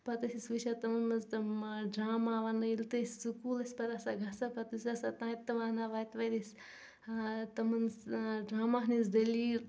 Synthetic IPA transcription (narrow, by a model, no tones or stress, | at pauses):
pɐt̪ɐsisʋɨʃat̪ɐmɐnɐzt̪ɐmɖɾaːmaːʋanɐilt̪ɐsʲsukuːlɐsʲpɐɾɐsaɡʱɐsɐpɐt̪usʲɐsat̪ãːt̪ːɐʋanaʋaːt̪ʋɐd̪isʲ | t̪ɐmɐnsɖɾaːmaɦnizd̪ɐliɾ